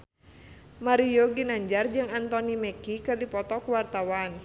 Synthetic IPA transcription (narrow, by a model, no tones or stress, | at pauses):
maɾijoɡinaɲd͡ʒard͡ʒɨŋant̪ɔnimɛkikɨrdipɔt̪ɔkuwart̪awan